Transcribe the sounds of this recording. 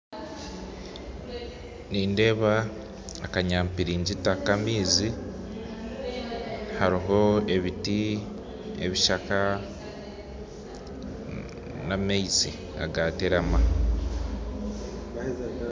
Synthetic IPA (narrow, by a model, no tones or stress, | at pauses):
niːnde̞ːβaː | kaɲaːmpiɾiːɲɟitakamiːzi | haɾiɦo̞e̞βiti | ḛβiʃaka | namejt͡sḭ | a̰ɡaːteɾama